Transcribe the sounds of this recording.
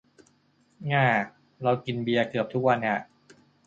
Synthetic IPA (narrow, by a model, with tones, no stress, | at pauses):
ŋaː˧˩ | ɾa˧wki˧nbi˧ɐkɯ˨˩əp̚t̪ʰu˦˥k̚wa˧na˧˩ʔ